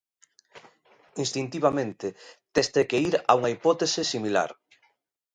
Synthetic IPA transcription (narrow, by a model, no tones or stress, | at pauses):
inst̪int̪iβamẽnt̪et̪est̪ekeiɾa̰uŋaipɔt̪esɪsimila̰ɾ